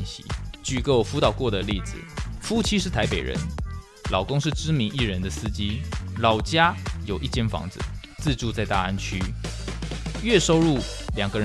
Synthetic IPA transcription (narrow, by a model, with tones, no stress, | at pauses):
nɕḭ˧˦t͡ɕy˨˩kə˥˩˨fu˧˥t̪ɑ˨˩ʊkwɔ˥˩d̪ə˩li˥˩d͡zɹ̩̰˨˩fu˥t͡ɕʰi˥ʂɻ̩˥˩t̪ʰa˧˦ɪpe˨ɪɻə̰˧˦n | lɑ˨˩ʊkʊ˥ŋʂɻ̩˥˩ʈ͡ʂɻ̩˥mi˧˥ŋi˥˩ɻə˧˦nd̪ə˨sɹ̩˥t͡ɕi˥lɑ˨˩ʊt͡ɕja˥jo˨˩ʊʔi˥˧t͡ɕjɛ˥˩nfɑ̰˧˥ŋd͡zɹ̩̰˨˦t͡s̩˥˧ʈ͡ʂu˥˧t͡sa˥˧ɪt̪a˥˧a˥nt͡ɕʰy˥ | ɥɛ˥˨ʂo˥ʊɻu˥˩ | ljɑ˨˩ŋɡə˧˨ɻə˦